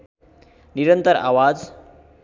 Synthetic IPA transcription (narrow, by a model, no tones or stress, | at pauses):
niɾənt̪əɾa̰ʋad͡z